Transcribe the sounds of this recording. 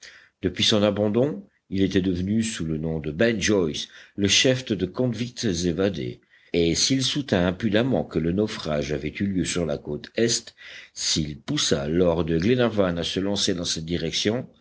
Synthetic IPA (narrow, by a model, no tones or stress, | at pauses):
d̪əpɥisɔ̃nabɑ̃d̪ɔ̃ | ilet̪ɛd̪əvənysulənɔ̃d̪əbɛ̃nʒɔjsləʃɛfd̪d̪əkɔ̃d̪vikt̪zevad̪ḛ | esilsut̪ɛ̃ɛ̃pyd̪amɑ̃kələnɔfχaʒavɛt̪yljøsyʁlakot̪ɛst̪silpusalɔʁd̪əɡlenaʁvanasəlɑ̃sed̪ɑ̃sɛt̪̚d̪iʁɛksjɔ̃